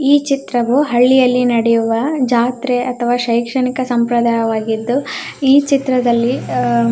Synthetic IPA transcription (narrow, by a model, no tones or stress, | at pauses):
iːt͡ʃit̪ɾɐʋuɦɐɭːijɐlːinɐɽɛjuʋɐd͡ʒaːt̪ɾeʔɐt̪ʰɐʋaːʃɐjkʂɐɳikɐsɐmpɾɐd̪aːjɐʋaːɡid̪ːu | iːt͡ʃit̪ɾɐd̪ɐlːi